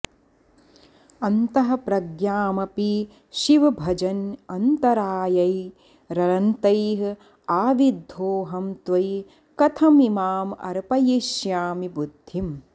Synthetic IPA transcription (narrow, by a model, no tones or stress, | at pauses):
ɐnt̪ɐɦɐpɾɐɡjaːmɐpi | ʃiʋɐbʱɐd͡ʒɐnɐnt̪ɐɾaːjɐj | ɾɐɾɐnt̪ɐjɦ | aːʋid̪ʱoːɦɐmt̪ʋɐj | kɐt̪ʰɐmimaːmɐ̰ɾpɐjiʃjaːmibud̪ʱːim